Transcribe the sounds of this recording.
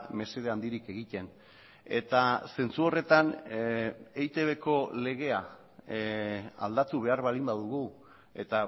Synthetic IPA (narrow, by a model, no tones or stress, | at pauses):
me̞se̞ð̞eand̪iɾike̞ɣit̪e̞n | e̞̰t̪ase̞nt͡suo̞re̞t̪an | ejt̪e̞βe̞ko̞le̞ɣ̞e̞a | a̰ld̪at̪uβ̞e̞aɾβalimbaðuɣu | e̞t̪a